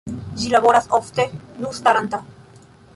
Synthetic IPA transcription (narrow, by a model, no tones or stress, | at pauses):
d͡ʒilaβoɾasoft̪enust̪aɾant̪a